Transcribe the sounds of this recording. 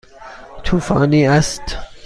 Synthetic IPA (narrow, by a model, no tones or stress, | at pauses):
t̪ʰufaniæst